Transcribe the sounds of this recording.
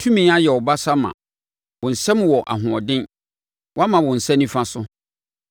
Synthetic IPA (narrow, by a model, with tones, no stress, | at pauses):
tʰũ˦mĩ˨˦a˦jɛ˨ɔ˨ba˦sa˦mã̰˨ | wʊ̃˨n̩˨sɛ̃˦m˨wɔ˨ʔa̰˨ɦʊ̃˨ɔ˨dɪ̃˦n | wɔ˦a˦mã˨wʊ̃˨n̩˨sɛ̃˦nĩ˦fã˦sʊ˦